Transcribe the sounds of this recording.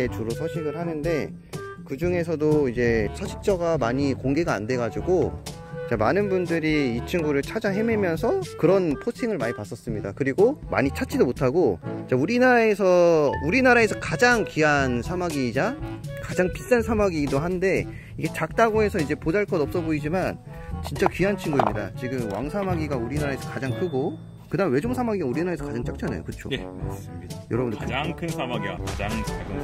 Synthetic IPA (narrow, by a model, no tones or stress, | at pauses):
t͡ɕuɾosʰʌɕʰiɡɯɭɦhanɯnde̞ | kɯd͡ʑuŋe̞s̬ʰʌdoid͡ʑe̞sʰʌɕʰi̥k̚t͡ɕ͈ʌɡamaɲikoŋɡe̞ɡaa̰nde̞ɡad͡ʑuɡo | t͡ɕamanɯnbundɯɾiːt͡ɕʰɯŋɡuɾɯɭt͡ɕʰad͡ʑaɦe̞me̞mjʌnsʰʌkɯɾʌnpʰot͡ɕʰiŋɯɭmaɲipas͈ʌs͈ɯmɲida̰kɯɾiɡoma̰ɲit͡ɕʰat͡ɕ͈ʰidomotʰaɡot͡ɕauɾinaɾae̞sʰʌuɾinaɾae̞sʰʌkad͡ʑaŋkiansʰamaɡid͡ʑakad͡ʑaŋpist͈ansʰamaɡidohande̞ | iɡe̞t͡ɕak̚t͈aɡoe̞sʰʌid͡ʑe̞pod͡ʑaɭk͈ʌdʌp̚s͈ʌboid͡ʑiman | t͡ɕint͡ɕ͈akiɦant͡ɕʰiŋɡuḭmɲida̰t͡ɕiɡɯmwa̰ŋsʰamaɡiɡauɾinaɾae̞sʰʌkad͡ʑaŋtʰuɡo | kɯdamewe̞d͡ʑomsʰamaɡiɡauɾinaae̞sʰʌkad͡ʑaŋt͡ɕ͈ʰak̚t͡ɕ͈ʰana̰jo̰kɯt͡ɕʰo̰sjʌ̰ɾʌbɯndkɯaŋkʰɯnsʰamaɡia̰kad͡ʑaŋaɡɯ